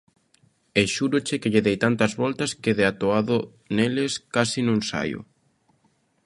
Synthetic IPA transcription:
eʃuɾot͡ʃekeʎeðejt̪ant̪ɐzβɔlt̪ɐskeðeat̪oaðo | neleskasinuensa̰jʊ̰

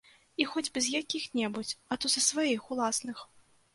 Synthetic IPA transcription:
ixɔd͡zʲbɛzjakʲixnʲɛbut͡sʲɐt̪ɔzɐsvajixulˠasnɨx

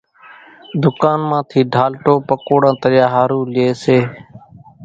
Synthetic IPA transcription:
d̪ʊkaːnmãːt̪ʰiːɖʱaːlʈoːpəkoːɽãːt̪əɾjaːɦaːɾuːlɪeːseː

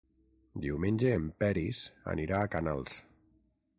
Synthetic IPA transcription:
d̪iwmenʲd͡ʒeːmpɛɾisa̰niɾaːkanalˠs

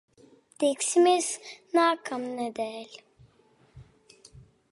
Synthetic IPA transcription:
d̪̥eksimiz̥naːkʰamnad̪ɛːlʲ

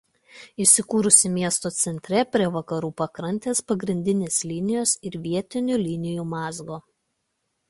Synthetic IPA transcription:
ɪsʲɪkuːɾʊsʲɪmʲiɛst̪oːt̪sʲɛnʲt̪ʲɾʲɛpʲɾʲiɛʋɐkɐɾuːpɐkɾɐnʲt̪ʲeːspɐɡɾʲɪnʲd̪ʲɪnʲeːslʲɪnʲɪjoːsɪɾʋʲiɛt̪ʲɪnʲulʲɪnʲɪjuːmɑːzɡoː

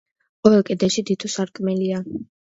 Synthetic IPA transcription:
ɔɛlˠkʼɛd̪ɛʃid̪it̪ʰusaɾkʼmɛlia

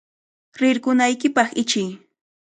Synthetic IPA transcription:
ɾɪɾkʊnajkɪpɑχɪt͡ʃɪj

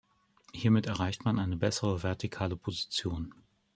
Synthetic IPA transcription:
hiːɐmɪtɛɐʁ̞aɪçtmanʔaɪnəbɛsəʁəvɛɐtʰikʰaːləpʰozit͡sjoːn

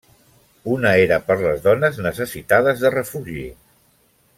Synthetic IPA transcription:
unəeɾəpəɾləzðɔnəznəsəsit̪að̞əzðərəfuʒḭ

